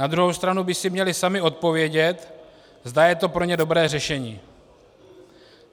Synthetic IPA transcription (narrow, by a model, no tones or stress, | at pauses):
nad̪ɾuɦo̞wst̪ɾanubɪsɪmɲɛlɪsamɪo̞t̪̚po̞vjɛɟɛt̪ | zd̪ajɛt̪o̞pɾo̞ɲɛdo̞bɾɛːrɛʃɛɲiː